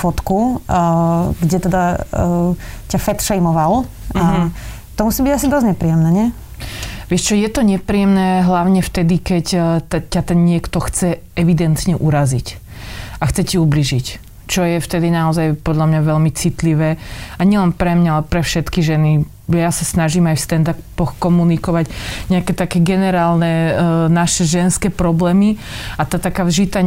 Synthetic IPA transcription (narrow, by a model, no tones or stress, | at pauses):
fɔt̪ku | ɡɟɛt̪ɛd̪a | cafɛt̪ʃɛjmɔʋal | t̪ɔmusiːbiɟasid̪ɔzɲɛpɾiːjɛmnɛɲɛ | ʋɪɛʃt͡ʃɔjɛt̪ɔɲɛpɾijɛmnɛːɦlaʊɲɛft̪ɛd̪ikɛct̪cat̪ɛnɲɪɛkt̪ɔxt͡sɛ | ɛʋid̪ɛnt̪ɲɛʔuɾazic | axt͡sɛciubliʒic | t͡ʃɔjɛft̪ɛd̪inaɔzajpɔd̪ʎamɲaʋɛlmit͡sit̪liʋɛːaɲɪɛlɛnpɾɛmɲaalɛpɾɛfʃɛt̪kiʒɛni | jasasnaʒiːmajfst̪ɛnd̪appɔxkɔmunikɔʋaɟɲɛakɛt̪akɛːɡɛnɛɾaːlnɛnaʃɛʒɛnskɛːpɾɔblɛːmiat̪aːt̪akaːvʒit̪a